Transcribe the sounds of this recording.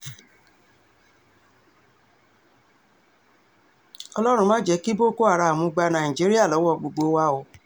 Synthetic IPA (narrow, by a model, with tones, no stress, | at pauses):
ɔ˧lɔ˦ɾ̃ũ˧mã˦d͡ʒɛ˦ki˦bo˦˨ko˦a˨ɾa˧˨mũ˧˦ɡ͡ba˧nã˨ĩ˨d͡ʒi˨˦ɾi˦a˦˨lɔ˨˦wɔ˦˨ɡ͡bo˨ɡ͡bo˧˦wa˧o˨˧˦